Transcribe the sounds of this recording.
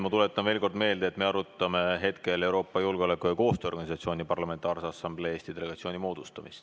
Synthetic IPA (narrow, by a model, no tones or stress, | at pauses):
mɑt̪ulet̪ːˑɑnve̞ːlko̞rd̪me̞ːld̪eːt̪me̞ɑɾut̪ːˑɑme̞ɦe̞t̪ke̞le̞wɾo̞ːpːˑɑjulɡeo̞lekːˑujɑko̞ːst̪øoɡɑnʲisɑt̪sio̞ːnʲipɑrlɑme̞nt̪ˑɑːrsɑsɑmble̞eːst̪id̪ele̞ɡɑt̪sio̞ːnʲimo̞ːd̪̥ust̪ɑmist̪